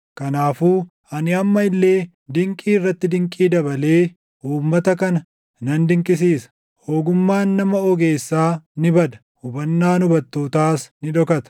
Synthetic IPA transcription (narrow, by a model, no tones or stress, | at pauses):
kɐnaːfuː | ɐnɪɐmːɐɪlːe̞ː | d̪ɪŋkʼiːɪrːɐt̪ːɪd̪ɪŋkʼiːd̪ɐbɐle̞ː | uːmːɐt̪ɐkɐnɐ | nɐnd̪ɪŋkʼɪsiːsɐ̥ | ho̞ːɡʊmːaːnːɐmɐɔɡe̞ːsːaːnɪbɐd̪ɐ̥ | hʊbɐnːaːnʊbɐt̪ːoːt̪aːsnɪᶑɔkɐt̪ɐ̥